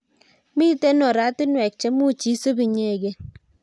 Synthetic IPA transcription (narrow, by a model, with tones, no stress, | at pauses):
mi˦te˦nɔ˨ɾa˦ti˦nwɛ˨k̚t͡ʃɛ˦mu˦t͡ʃi˦so˦bi˨ɲe˨ɡe˦